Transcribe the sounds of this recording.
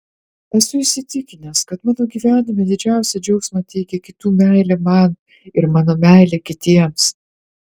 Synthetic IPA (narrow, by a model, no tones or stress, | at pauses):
ɛsʊɪʃsʲɪt̪ʲɪkʲɪnʲeskɐt̪mɑːnoːɡʲiːʋʲæːnʲɪmʲɛd̪ʲɪd͡ʒʲæˑʊsʲɛd͡ʒʲɛʊksʲmɐt̪ʲɛɪkʲɛkʲɪt̪uːmʲæˑɪlʲɛmɐn | ɪɾmɑːnoːmʲæˑɪlʲeːkʲɪt̪ʲiɛms